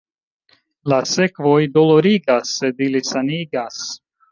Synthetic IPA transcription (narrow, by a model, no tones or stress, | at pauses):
lasekvojd̪oloɾiɡasːed̪ilisaniːɡas